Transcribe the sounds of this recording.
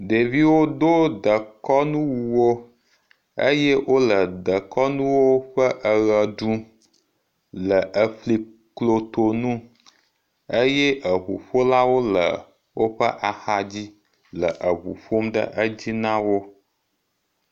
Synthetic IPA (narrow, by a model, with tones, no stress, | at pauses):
ɖe˨vi˦wo˦d̪o˦d̪ə˨kɔ˦nũ˦wu˨wo˦ | ḛ˦jɛ˦wʔo˦lə˨d̪ə˨kɔ˦nũ˦wo˦ɸə˦ʔə˨ɣə˨ɖu˦ | lə˨ʔə˨ɸli˨ | klo˨t̪o˨nũ˦ | e˦jɛ˦ʔə˨ɸu˨ɸo˦la˦wo˦lə̰˨ | wo˦ɸə˦ʔa˨xa˨d͡ʑi˦ | lə˨ʔə˨ɦṵ˨ɸo˦mɖə̰˦ʔə˦d͡ʑi˦nã˦wo˦